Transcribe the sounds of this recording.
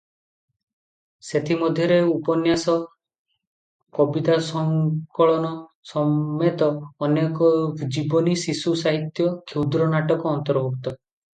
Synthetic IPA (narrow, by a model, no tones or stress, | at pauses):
set̪ʰimɔd̪ʱjɔɾeupɔnjasɔ | kɔbit̪asɔŋkɔɭɔnɔ | sɔmet̪ɔːnekɔd͡ʒibɔnisisusaɦit̪jɔkʰewd̪ɾɔnaʈɔkɔɔnt̪ɔɾbʱukt̪ɔ